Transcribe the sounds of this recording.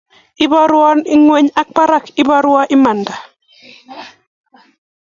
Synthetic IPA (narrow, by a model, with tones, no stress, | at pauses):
ɪ˦bɔ˦ɾwɔ˦nɪ˦ŋwɛ˦ɲa˦k̚pa˦ɾa˦kɪ˦ba˦ɾwa˦ʔɪ˦ma˨nda˨